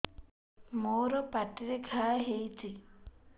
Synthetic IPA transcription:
moːɾopaʈiɾeɡʰʱaːɦejti

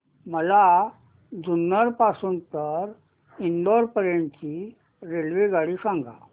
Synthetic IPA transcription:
məla | d͡zunːəɾpasuːnt̪əɾ | iɳɖɔɾpəɾeɳt͡ɕi | ɾelʋeɡaɽiːsãŋɡʱa̰

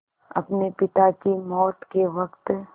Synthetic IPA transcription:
ɐ̰pnepɪt̪akimɔːt̪keʋɐkt̪

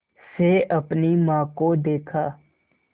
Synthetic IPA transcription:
seɐpnimãːkod̪eːkʰaː

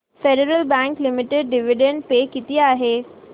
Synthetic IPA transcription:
feɖəɾəlbɛ̃ŋklimɪʈeɖ̚ɖiʋiɖẽɳɖpekit̪iaːɦeː

